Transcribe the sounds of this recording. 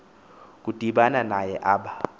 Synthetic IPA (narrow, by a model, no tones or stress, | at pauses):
k̬ʼud̥ʱiɓananajɛʔaːɓa